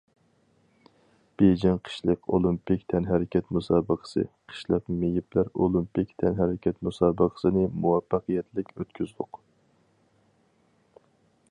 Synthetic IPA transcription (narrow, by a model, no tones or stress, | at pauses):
b̥ed͡ʒɛŋqʰə̥ʃlˠəqo̰lˠimpikʲt̪ʰɛnɦæɾɪkʲɛt̪musɑːbəqʰə̥sɨ̰qʰə̥ʃlˠəqmejiplæɾolˠimpikʲt̪ʰɛnɦæɾɪkʲʰɛt̪musɑːbəqʰə̥sɨnɨmuwɑfːɑqɨjɛt̪lɪkʲøt̪kʲʰyzd̪ˠʊ̰q